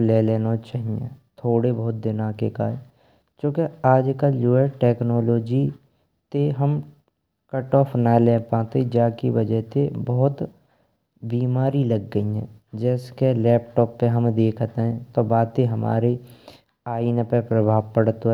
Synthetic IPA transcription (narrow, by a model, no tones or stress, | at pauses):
leːleːnot͡ʃaɦiɛ̃ːt̪ʰoːɽebɔːʊt̪̚d̪ɪnaːkekaːe | kõːkeaːd͡ʒkaljuəɾʈeːknɔːloːd͡ʒi | t̪eɦəm | kɐʈɔːpʰnaːlɛːpãːt̪ed͡ʒaːkiʋɐd͡ʒɛɦt̪ebɔɦʊt̪ | biːmaːɾilɐɡːəiɦɛ̰̃ː | d͡ʒɛːskelɛːp̚ʈɔːpːeɦɐmd̪eːkʰt̪eɦɛ̃t̪obaːd̪eɦɐma̰ːɾe | aːinpepɾəbʱaːʋpəɽt̪o